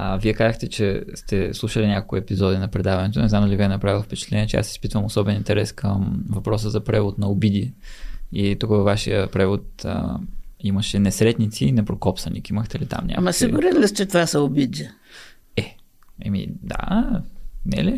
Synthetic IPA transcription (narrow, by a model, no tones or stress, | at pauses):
viɛkazəxt̪ɛt͡ʃɛst̪ɛslˠuʃəlinʲakolˠkʊɛpizɔd̪inɐpɾɛd̪avɐnɛt̪onɛznamd̪əlʲiviɛnɐpɾavilˠfpɛt͡ʃɛ̥t̪lɛniɛt͡ʃɛa̰si̥spit̪vəmosɔbɛnint̪ɛɾɛskʰəmvɐpɾɔs̬əzɐpɾɛvot̪nɐobid̪i | it̪ukəvɐvːaʃḭəpɾɛvot̪̚ə̰ | iməʃɛnɛsɾɛt̪nit̪siːnɛpɾokɔpsɐnḭkiiməxt̪ɛlit̪a̰mɲʲa̰mɐsksiɡʊɾilist͡ʃɛt̪vasɐʊbid̪ʲi | ɛ | ɛ̰mḭd̪a̰ | nɛ̰li